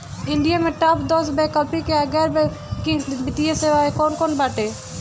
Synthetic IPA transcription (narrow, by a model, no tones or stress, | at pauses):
ɪ̃ɳɖɪjamẽʈapd̪ɔːsbɛkəlpikeaɡɛːɾbɛ | kɪ̃ŋsbɪt̪ijeseːʋaːekɔːnkɔːnbaːʈeː